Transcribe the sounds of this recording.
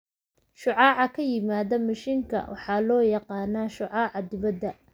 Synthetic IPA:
ʃʊʕɑːʕɑkʰɐjɪmaːðɐmɐʃiːŋkʰɐ̰wɑ̰ħɑːlɔːjɑqɑːnaːʃʊʕɑːʕɑd̪ɪβɐd̪ːɐ

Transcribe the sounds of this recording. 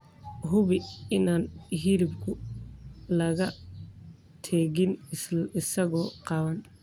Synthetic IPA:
ɦʊβɪɪnaːnɦiɾɪbkʰʊ | lɐɣɐ | t̪ʰɛːɣɪnɪsɐɣɔːqɑːwɐn

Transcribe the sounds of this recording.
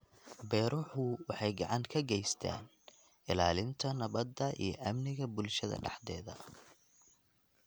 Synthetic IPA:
bɛːɾʊħʊwɑħɑjɡɑʕɑŋkʰɐɡɛjst̪ʰa̰ːn | ɪlaːlɪnt̪ʰɐnɐβɐd̪ːɐʔijɞʔɐmnɪɣɐbʊlʃɐðɐ̰ɖɑħd̪ɛ̰ːðɐ

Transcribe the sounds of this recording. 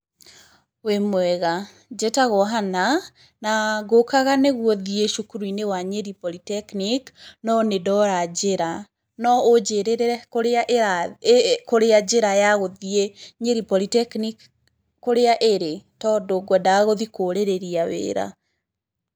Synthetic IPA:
wemwɛɣa | d͡ʒɛtaɣɔɦana | naɣokaɣaneɣwɔðieʃukuɾuinewaɲeɾipɔlitɛkniknɔnedɔɾad͡ʒeɾa | nɔod͡ʒeɾeɾeɾɛkoɾeaʔeɾa | koɾead͡ʒeɾajaɣoðieɲeɾipɔlitɛknikː | oɾeaʔeɾetɔdoɡwɛdaɣoðikoɾeɾeɾiawḛːɾa̰

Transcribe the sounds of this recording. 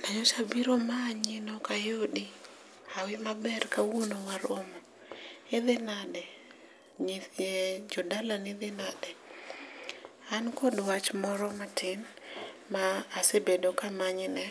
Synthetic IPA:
naɲoʃabiɾomaɲɪnokajodi | awɪmabɛrkawunowaɾomɔ | ɪðɪnadɛ | ɲɪθɲɛd͡ʒɔdalanɪðɪnadɛ | ankɔdwat͡ʃmɔɾɔmatʰɪn | maːsebedokamaɲɪnɛ

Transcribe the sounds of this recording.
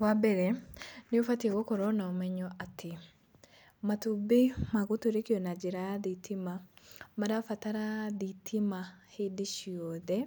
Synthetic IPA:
wabɛɾɛneofatiaɣokɔɾɔnaɔmɛɲɔʔatʰe | matubemaɣotoɾekiɔnad͡ʒeɾajaðitʰimamaɾafataɾaðitʰimahedeʃiɔðɛ

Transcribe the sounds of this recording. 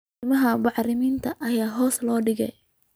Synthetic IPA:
mɐɦɐbɑʕrɪmiːnt̪ʰɐʔɐjaːɦɔːslɔːɖɪɣɛ̰j

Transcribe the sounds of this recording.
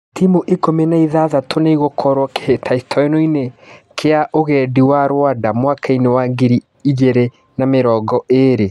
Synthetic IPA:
timuʔekomenaiðaðatʰonaiɣokʰɔɾwɔke̥hetʰaistʰɔenoinekʰeaʔoɣɛdiwaɾwadamwakʰainewaɡiɾi | id͡ʒeɾe | nameɾɔːɡɔʔeɾe

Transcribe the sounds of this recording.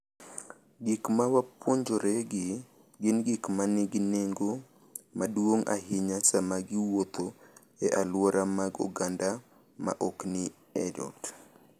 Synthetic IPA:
ɡɪkmawapwoɲd͡ʒoɾɛɡɪ | ɡɪnɡɪkmanɪɡɪneŋɡo | madwoŋʔa̰ɦɪɲasamaɡɪwot̪o | ɛʔalwɔɾʔamaɡɔ̰ɡanda | ma̰ʔɔknɪ | ɛd͡ʒɔ̰t

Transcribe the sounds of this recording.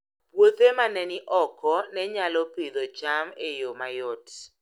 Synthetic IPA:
pwot̪emanɛnɪʔɔkɔnɛɲalɔped̪ot͡ʃamejomajɔt

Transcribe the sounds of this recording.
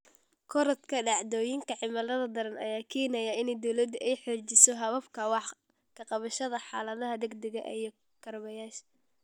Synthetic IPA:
kʰɔɾɐt̪kʰɐɖɑʕd̪ɔːjɪŋkʰɐʕɪmɐlɐðɐd̪ɐɾɐnɐ̰jaːkʰɛːnɐjaɪnɛjd̪ɔwlɐd̪ʔɛjħɔt͡ʃɪsɔɦɐβɐfkʰɐwɑħ | kʰɐqɑβɐʃɐðɐħɑːlɐðɐɦɐd̪ɛɡd̪ɛɣɐʔijɔ | kʰɐrmɐjaːʃ

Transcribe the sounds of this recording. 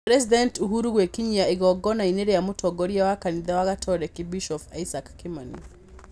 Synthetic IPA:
pɾɛsidɛntuɦuɾuɣwekiɲiaiɣɔɡɔnaineɾejamutʰɔɡɔɾjawakaniðawaɣatʰɔɾɛkibiʃɔfa̰isakːimanḭ

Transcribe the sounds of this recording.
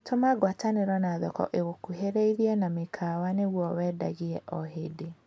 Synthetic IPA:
tʰomaɡwataneɾɔnaðɔkɔ̰ʔeɣokuɦeɾeiðiɛnamekʰawaneɣwɔwɛːda̰ɣiɛʔɔɦede

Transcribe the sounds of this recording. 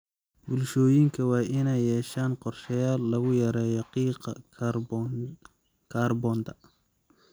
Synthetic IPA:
bʊlʃɔːjɪŋkʰɐwɑːʔɪnɛjːɛːʃaːnqɔrʃɛjaːlːɐɣʊjɐɾɛːjɔqiqɐ̰ | kʰaːrbɔːnt̪ʰɐ

